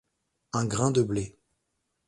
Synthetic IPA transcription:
ɛ̃ɡʁɛ̃d̪əble

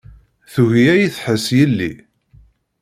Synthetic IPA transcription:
θuʝiæjiθħəsjəlːḭ

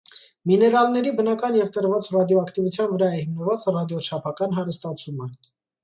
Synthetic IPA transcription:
minɛɾɑlnɛɾibənɑkɑnjɛvt̪əɾvɑt͡srɑd̪jɔɑkt̪ivut͡sʰjɑnvəɾɑɛhimnəvɑt͡sərɑd̪jɔt͡ʃʰɑpʰɑkɑnɦɑɾəst̪ɑt͡sʰumə

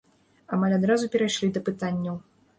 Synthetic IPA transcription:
amalʲad̪ɾazupʲɛɾajʂlʲid̪ɐpɨt̪anʲːɐw

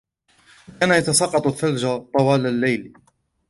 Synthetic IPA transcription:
kaːnajat̪ɑsɑqːɑt̪ˤʊθːald͡ʒat̪ˤɑwɑːlalːajl

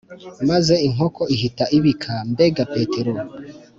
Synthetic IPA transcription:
maze̞iŋho̞kʰo̞iɦitaʔiβikʰambe̞ɡape̞ːteɾo

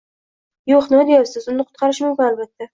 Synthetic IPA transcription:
joχnɪd̪ejɑɾsɪzʊnɨqʰʊ̥t̪̚qʰɑɾɪʃmʊmkʲʊnalbat̪ʰːa

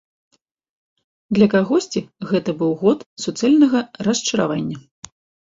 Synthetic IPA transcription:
d̪lʲɐkaɣɔsʲt͡sʲiɣɛt̪ɐbɨwɣɔt̪sut̪sɛlʲnɐɣɐɾɐst͡ʂɐɾa̰vanʲːɐ

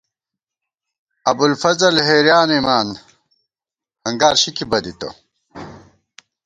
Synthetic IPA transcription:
ɐbulfɐzɐlɦeːɾjaːnimaːn | hɐŋɡaːɾɕikibɐd̪it̪o̰

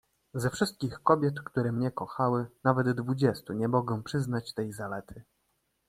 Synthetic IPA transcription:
zɛfʂɘst̪̚kʲixkɔbʲjɛt̪kt̪uɾɛmɲɛkɔxawɘnavɛd̪ːvud͡ʑɛst̪uɲɛmɔɡɛ̃pʂɘznat͡ɕt̪ɛjzalɛt̪ʰɘ

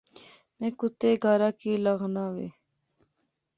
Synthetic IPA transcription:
mẽːkʊt̪eɡʱaːɾaːkiːləɣnaːʋḛː

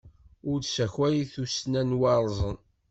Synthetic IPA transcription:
ʊɾsæçwæjiθusnænwɑɾˤzˤən

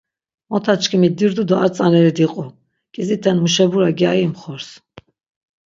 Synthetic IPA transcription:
mɔt̪ʰat͡ʃʰkʰimid̪iɾd̪ud̪ɔaɾt͡s̪ʼanɛɾid̪iqʼu | kʼizit̪ʰɛnmuʃɛbuɾaɡiaimχɔɾs

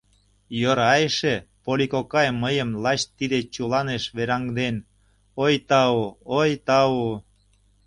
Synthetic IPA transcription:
joɾɑjʃepolikokɑjməjəmlɑɕt̪ːid̪et͡ɕulɑneʃβeɾɑŋd̪en | ojt̪ɑuojt̪ɑu

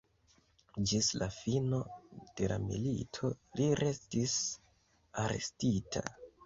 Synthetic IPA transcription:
d͡ʒislafino̞d̥e̞la̰mḭlitʰo̞liɾʔe̞stis | aɾe̞̰stitʰa̰

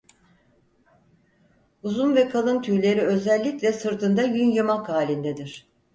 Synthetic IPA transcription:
uzunvɛkʰalˠɯnt̪ʰyɾlʲe̞ɾiø̞zɛlʲːiclʲɛsɯɾt̪ʰɯnd̪ajynjɯmakʰaːlʲind̪ɛd̪iɾ̥

